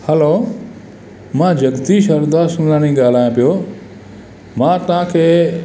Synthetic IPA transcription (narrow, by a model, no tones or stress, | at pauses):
hɐloː | mãːd͡ʑɐɡd̪iʃɐɾd̪asʊnlaːɽ̃ĩːɡaːl̤aːjõpijoː | mãːt̪ɐʋ̤ãkʰeː